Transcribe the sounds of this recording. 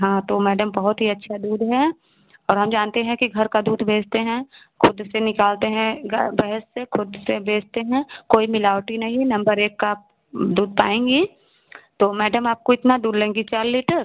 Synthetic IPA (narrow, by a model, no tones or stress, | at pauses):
ɦãːt̪oːmɛːɖəmbɐɦʊt̪ɦiɐtːʃʰad̪uːd̪ɦɛ | ɔːɾɦɐ̃md͡ʒaːnt̪eɦɛ̃kiɡʱɐɾkad̪uːd̪bʱeːd͡ʒt̪eɦɛ̃ | kʰʊd̪senɪkaːlt̪eɦɛ̃ɡbɛɦɛsːekʰʊd̪sebʱeːd͡ʒt̪eɦɛ̃koːimɪlaːwʈinɐɦĩnɐ̃mbəɾeːkːaːp̚ | d̪uːd̪̚pa̰ːẽːŋɡi | t̪oːmɛːɖəmaːp̚koɪt̪nad̪uːɾlẽːŋɡit͡ʃaːɾliːʈəɾ